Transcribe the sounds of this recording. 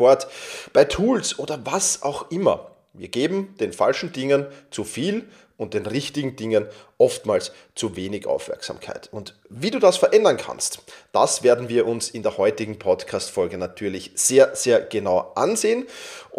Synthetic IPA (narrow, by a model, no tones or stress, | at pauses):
ɔɐtb̥aɪtʰuːlsʔoːdɐvasʔa̰ʊxʔɪmɐ̰ | viːɐɡ̥eːbm̩d̥eːnfa̰lʃn̩dɪŋənt͡sufiːl | ʊnt̚d̥eːnʁɪçtɪɡŋ̩dɪŋənʔɔftmaːls | t͡suveːnɪçʔa̰ʊfmɛ̰ɐksa̰ːmkʰa̰ɪtʊnt | viːduːdasfɛɐʔɛndɐnkʰa̰nstd̥a̰sv̥eːɐdn̩viːɐʔʊnsɪndeːɐhɔʏtɪɡŋ̩pʰɔtkʰaːstfɔlɡənatʰyːɐlɪçz̥eːɐz̥eːɐɡ̥ənaʊʔanzeːən